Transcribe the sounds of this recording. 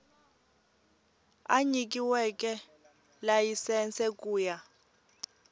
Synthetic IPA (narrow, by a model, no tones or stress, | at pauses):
aɲik̬ʼiwɛkʼɛ | lajisɛnt͡sʰʼɛkʼuːja